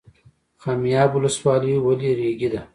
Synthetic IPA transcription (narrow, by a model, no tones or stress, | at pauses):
kɑːmijɑːbʊləswɑliwaliɾeɡid̪a